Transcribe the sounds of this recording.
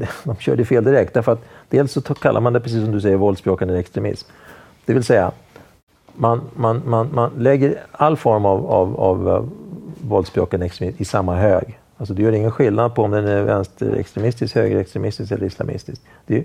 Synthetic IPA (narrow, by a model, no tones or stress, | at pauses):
d̪ɔmɕœ̰ːɖəfeːld̪ɪɾɛk̚t̪d̪æɾfœɾat̪d̪̥eːlsːɔkʰalːa̰ɾmand̪ɛpʰɾɛs̬iːs̬ːɔmd̪ɵs̬ɛjːəɾvɔld̪sbɾoːkanæɾɛkst̪ɾɛmɪ̰sm | d̪̥ɛvɪlsɛjːa̰ | manmanmanmanlɛɡːəɾalːfɔɾmava̰va̰vː | ɔld̪sbɾo̰ːkanɛkst̪mɪsmɪsamːaɦøːɡ | als̬ɔd̪ɛjœːɾɪŋːənɧɪlnad̪̚pʰɔɔmd̪ɛnæɾvɛ̰nst̪ə̰ɾɛ̰kst̪ɾɛmɪst̪ɪskhøːɡɾɛkst̪ɾɛmɪst̪ɪskɛlːəɾɪsla̰mʔɪ̰st̪ɪsk̚ | d̪̥ɛ